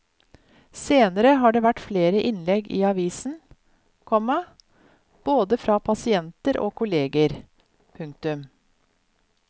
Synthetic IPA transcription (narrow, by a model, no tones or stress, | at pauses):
seːnəɾəɦɑːɖeːʋæʈfleːɾəʔɪnlɛɡḭːɑʋiːsn̩ | kʰɔmɑ | b̥oːd̪əfɾɑːpʰɑsɪɛnt̪əɾʔo̰ːkʰʊleːɡəɾ | pʰʉŋk̚t̪ʉm